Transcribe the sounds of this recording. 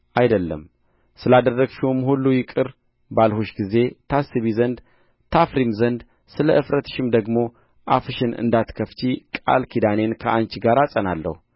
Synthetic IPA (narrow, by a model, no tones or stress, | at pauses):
ʔajd̪əlːə̰m | sɨlad̪ərːəɡʃumhulːujɪkʼɨɾ | balhuʃɡize̞t̪ʰasɨβizənd̪ | t̪ʰafɾimzənd̪ | sɨləʔɨfɾət̪ʰɨ̥ʃɪmd̪əɡmo̞ | ʔafɨʃɪnɨ̰nd̪at̪kʰəft͡ʃikʼa̰lkʰid̪ane̞nkʰəʔant͡ʃɡaɾasʼənalːə̰hu